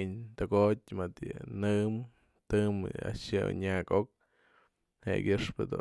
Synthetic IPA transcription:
ɲt̪ɨɡot̚ʲmɨt̪jɨnɨm | t̪ɨma̰ʃɨ̰ɲakok̚ | hḛkʲɨʂpɨd̪ṵ

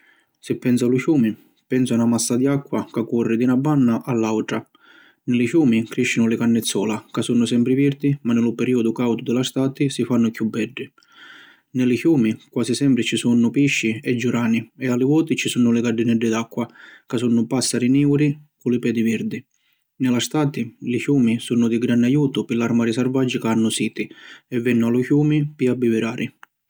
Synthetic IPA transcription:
sɪpːɛnsaluikjuːmi | pɛnsʊanamasːad̪iakːwakakːurːɪd̪inabːanːaʔalːawʈ̪ɾa | nɪlɪkjuːmikɾiʃːinʊlɪkanːɪt̪sːɔːlakasunːʊsɛmpɾɪviɾd̪imanːɪlʊpɛɾiːɔd̪ʊkawt̪ʊd̪ɪlast̪aːt̪ɪsifanːʊkjubːɛɖːi | nɪlɪkjuːmikwaːsisɛmpɾɪt͡ʃisunːʊpiʃːiɛd͡ʒːuɾaːniɛalːɪvɔːt̪it͡ʃisunːʊlɪɡaɖinɛɖːɪd̪akːwakasunːʊpasːaɾiniwɾikʊlɪpɛːd̪iviɾd̪i | nɪlast̪aːt̪ilikjuːmisunːʊd̪iɡɾanːajuːt̪ʊpɪlaɾmaːɾisɛrvad͡ʒːɪkaanːʊsiːt̪iɛvːɛnːʊalʊkjuːmipiabːivɪɾaːɾʔi

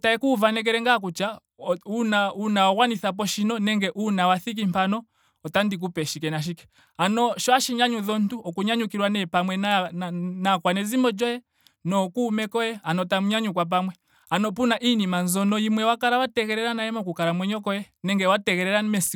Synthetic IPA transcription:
taɛkuvanɛk̬ɛɾɛŋɡak̬ut͡ʃa | unaunaɔɣwaniθap̬ɔʃinɔnɛŋɡɛʔunawaθik̬im̩panɔː | tandik̬upɛʃikɛnaʃ̬ikɛ̥ | anɔʃɔaʃiɲaɲuðɔn̩tuʔɔkuɲaɲukiɾwanɛpamwɛnanakwanɛzimɔd͡ʒɔjɛ | nɔkuːmɛkɔjɛanɔtamuɲaɲukwap̬amwɛ | anɔpunaʔinimanzɔnɔimwɛwakaɾawatɛkɛɾɛɾanaɛmɔkukaɾamwɛɲɔkɔjɛ | nɛŋɡɛwatɛkɛɾɛɾanmɛsi

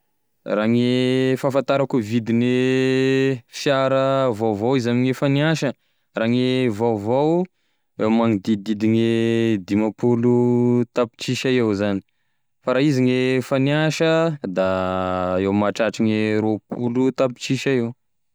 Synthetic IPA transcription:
raːŋefafant̪aɾakuvid̪ini | fjaɾəvawvawizamiŋefaniaʃə | raːŋevawvaw | ewmaŋid̪id̪id̪iŋed̪imapulut̪api̥t͡ʃiʃaewzani̥ | faɾaiziŋefaniaʃəd̪a | ewmaʈ͡ʂaʈ͡ʂiŋeɾopulut̪api̥t͡ʃiʃaew

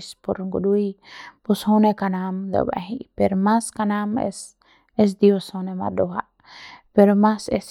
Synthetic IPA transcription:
spoɾɡudujpushonekanamd̪ḛwa̰ɦipeɾmaskanamḛs | es̬d̪ioshonema̰d̪oɦa | peɾmases

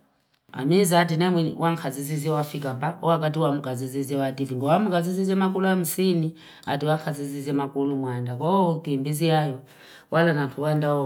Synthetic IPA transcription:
a̰mizatinɛmwɛwʔaŋkʰaziziziɛwafikambaɔwak̬at̬iwamukaziziziɛwadiviŋɡɔwamukazizizɛmakuluam̩sini | a̰tiwaŋkʰazizizɛmakulumwandakɔkimbiziajɔ | wʔalanatʰuwandaɔ

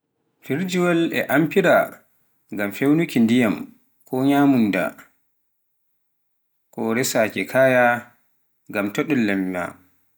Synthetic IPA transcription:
fiɾd͡ʒuwalɛ̰ʔampiɾa | ŋɡamfewnukindijam | kʰɔɲaːmunda̰ | kɔɾɛsaːkɛkʰaja | ŋɡamtoɗɛlːɛmːa̰

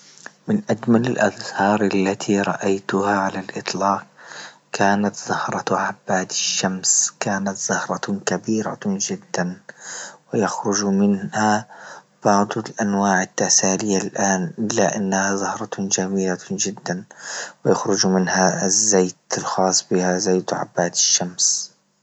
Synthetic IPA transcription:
mɪnʔad͡ʒmalɪlʔaðhɑːɾˤʔalːat̪ʰiɾˤɑʔajt̪ʊhaʕalalʔɪt̪ˤlɑːq̚ | kaːnat̪zʊhɾˤɑʕabːaːd̪ɪʃːamskaːnat̪zɑhɾˤɑkabiːɾa̰d͡ʒɪd̪ːan | wɪjaxɾʊd͡ʒmɪnha | b̥ɑʕd̪ˤɪlʔanwaːʕɪt̪ːasaːlɪjalʔaːnʔɪlːaʔanːahazˤʊhɾˤɑd͡ʒamiːlad͡ʒɪd̪ːanwɪjaxɾʊd͡ʒmɪnhazːeːt̪lxɑːsˤbɪhazaːt̪ʕa̰bːaːd̪ɪ̥ʃːams

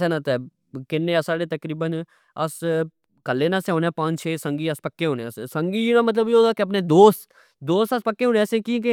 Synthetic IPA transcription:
sɛːnãːt̪ɛː | kɪnːẽːasaːɽeːt̪əkɾiːbən | əs | kəlːeːnãːseɦõːnɛ̃ːpãːt͡ʃt͡ʃʰeːsəŋɡiːəspəkːeːɦõːnessəŋɡiːd͡ʒnãːmət̪ləbiːoːd̪aːkɪəp̬neːd̪oːst̪ | d̪oːst̪əspəkːeːɦõːnẽsẽːkiːke

